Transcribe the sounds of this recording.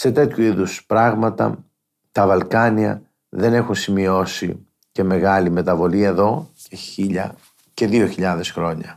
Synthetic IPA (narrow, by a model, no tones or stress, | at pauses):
se̞t̪e̞t̪çuiðuspɾɐɣmɐt̪ɐ̰ | t̪ɐvɐlkɐniɐ̰ | ðe̞ne̞xunsimio̞sḭ | ce̞me̞ɣɐlime̞t̪ɐvo̞liɐeðo̞ceiʎɐ̰ | ce̞ðio̞çiʎɐðe̞sxɾo̞ɲɐ̰